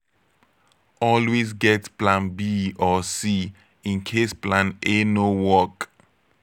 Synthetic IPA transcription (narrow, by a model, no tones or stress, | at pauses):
ɔlwezɡɛtplãnbiɔsi | ĩnkʰesplãnenowɔk